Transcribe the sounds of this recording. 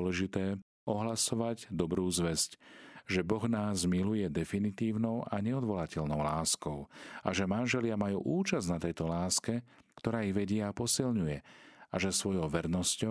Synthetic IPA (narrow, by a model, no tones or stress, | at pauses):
lɛʒit̪ɛː | ɔɦlasɔʋaɟd̪ɔbɾuːzʋɛzcʒɛbɔɣnaːzmilujɛd̪ɛfinit̪iːʊnɔʊʔaɲɛɔd̪ʋɔlacɛʎnɔʊlaːskɔʊa̰ʒɛmanʒɛlɪamajṵːʔuːt͡ʃaznat̪ɛjt̪ɔlaːskɛ | kt̪ɔɾaːiɣʋɛɟɪɛapɔsilɲujɛaʒɛsʋɔjɔʊʋɛɾnɔscɔ